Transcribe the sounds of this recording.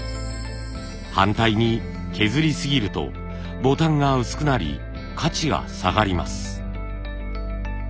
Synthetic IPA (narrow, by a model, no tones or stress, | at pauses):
hãnt̪aiɲ̟i | kʰe̞zɨɾʲisɨɡʲiɾɯ̟t̪o̞̰ | bo̞t̪ãŋɡaɯ̟sɨ̥kɯ̟naɾʲḭ | kʰat͡ɕiɡa̰sa̰ɡaɾʲima̰sɨ̥